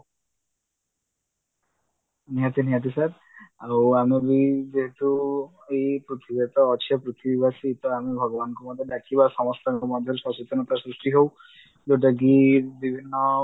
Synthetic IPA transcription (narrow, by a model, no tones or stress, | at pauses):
niɦat̪iniɦat̪̬isaɾ | awamibid͡ʒeɦet̪u | ejpɾut̪ʰibet̪ɔːt͡ʃʰɔpɾit̪ʰibibasiːt̪ɔamibʱɔɡɔbanɔŋkɔmɔd̪ʱjɔd̪akʰibasɔmɔst̪aŋkɔmɔd̪ʱjɔɾsɔt͡ʃit̪ɔnɔt̪asɾusʈiɦow | d̪eʈ̬aɡiɾbibʱinːɔ